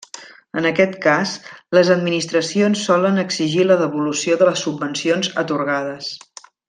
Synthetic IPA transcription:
ənəkɛt̪kasləzəd̪minist̪ɾəsionsːɔlənəɡziʒiləðəβulusioðələsːubːənsionzə̰t̪uɾɣað̞əs

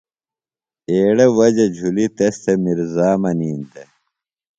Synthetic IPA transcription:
eːɽewɐd͡ʑɐd͡ʑʱulit̪est̪emiɾzaːmɐniːnd̪e

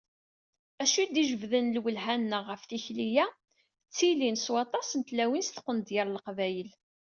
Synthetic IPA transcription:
æʃid̪iʒəvðənlwəlɦænːəʁəfθiçlijæ | t͡sːilinswɑt̪ˤɑsnt̪læwinst̪ə̥qːənd̪jəɾˤləqvæjəl

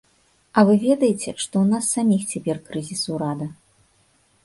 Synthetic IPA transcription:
ɐvɨvʲɛd̪ɐjet͡sʲɛʂt̪ɔwnasːamʲixt͡sʲapʲɛrkɾɨzʲisuwɾad̪ɐ

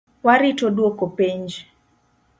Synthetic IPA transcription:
waɾitodwokopiɲd͡ʒ

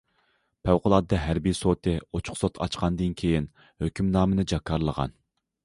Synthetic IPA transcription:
pʰæwqʊlˠɑd̪ːɑɦæɾbijsot̪ʰɨot͡ʃʰʊ̥χsot̪ʰɑ̰t͡ʃqʰɑnd̪ɨnkʲʰejin | høkʲʰymnɑːmɨnɨd͡ʒɑkʰːɑɾlˠəʁɑ̰n

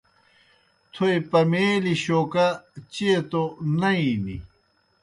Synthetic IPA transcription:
t̪ʰojpɐmeːliɕoːkat͡ɕet̪onɐinḭ

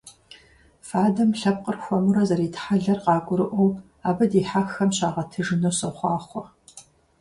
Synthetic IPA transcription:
faːdɐmɬɐp̚qərxʷɔmɨɾɐzɐɾiːtħaɮɐrqɑːɡʷʼʊɾɨʔʷɔm | aːbɐdiːħaxɐmɕaːʁɐtʰɨʐɨnosɐχʷɑːχʷɔ

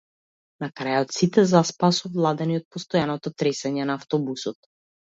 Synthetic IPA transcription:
nakɾajɔt̪sit̪ɛzaspasɔvlˠad̪ɛniɔt̪̚pɔst̪ɔjanɔt̪ɔt̪ɾɛsɛɲɛnaːft̪ɔbusɔt̪

